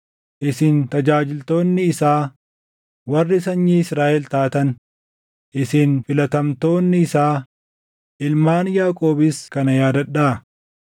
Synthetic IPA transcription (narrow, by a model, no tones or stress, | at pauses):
ʔɪsɪnt̪ɐd͡ʒaːd͡ʒɪlt̪o̞ːnːɪːsaː | wɐrːɪsɐɲːiːɪsɾaːʔɛlt̪aːt̪ɐn | ʔɪsɪnfɪlɐt̪ɐmt̪o̞ːnːɪːsaː | ʔɪlmaːnjaːkʼo̞ːbɪskɐnɐjaːd̪ɐᶑaːɐ